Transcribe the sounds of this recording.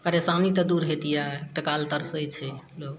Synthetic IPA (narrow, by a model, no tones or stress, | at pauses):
pəɾesanit̪ɔd̪uɾɦet̪ijaek̚ʈakalt̪əɾsəjt͡ʃʰɛlok